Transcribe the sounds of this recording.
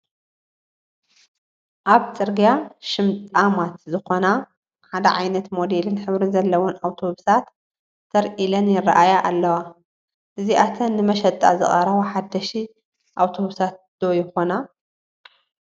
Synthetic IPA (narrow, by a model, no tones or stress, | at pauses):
ʔaβt͡sʼɨɾɡijaʃɪmt̪ʼamat̪zɨxo̞na | ħad̪ɐ̰ʕajnɐt̪mo̞d̪elɨnħɨβɾɨnzɐlːɐwonawt̪ʰo̞βusat̪ːʰ | ɐɾʔilɐnjɪra̰ʔajaʔalːɐwa | ʔɨziʔat̪ʰɐnːɨmɐʃɐt̪ʼa̰zɨ̰χʼɐɾɐβoħad̪ɐʃi | ʔawt̪ʰo̞βusat̪̚d̪̥ojɪxo̞na